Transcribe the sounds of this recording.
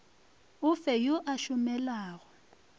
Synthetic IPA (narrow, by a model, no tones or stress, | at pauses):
ʊfɛjoʔaʃʊmɛlaːɣɔ